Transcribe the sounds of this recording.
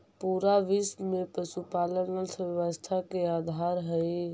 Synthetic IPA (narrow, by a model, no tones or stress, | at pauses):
puɾaʋismepɾəsupalənəlsʰʋjəʋəst̪ʰakeaːd̪ʱaɾɦəj